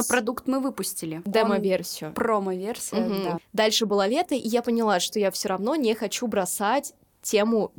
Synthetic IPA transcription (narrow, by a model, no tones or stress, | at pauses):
pɾɐd̪ukt̪mɨvɨpʊsʲtʲɪlʲɪd̪ɛmɐvʲersʲɪʊproməvʲersʲɪd̪ad̪alʲʂɨbɨlˠalʲe̞t̪əʔijapənʲɪlˠaʂt̪o̞jafsʲoɾɐvno̞nʲexɐt͡ɕubɾɐsatʲ | tʲe̞mʊ